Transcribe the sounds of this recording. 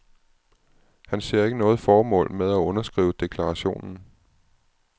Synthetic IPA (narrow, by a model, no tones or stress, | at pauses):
hænse̝ɐ̰e̝ɡ̥ənɔ̽ːð̞̩ˠfɒːmɔ̰̽ːlmeðˠæɔ̽nɐsɡ̥ʁḭːʊəd̥e̝kʰlɑ̈ʁɑ̈ɕo̝̰ːnn̩